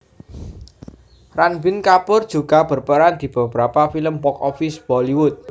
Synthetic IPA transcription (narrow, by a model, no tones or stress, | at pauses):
ranbiɪnkapʊrd̥ʒ̥ṳɡa̤b̥ərpəɾand̪̥i̤b̥ə̤b̥əɾapafiləmpɔkɔfisb̥ɔliwʊt̪̚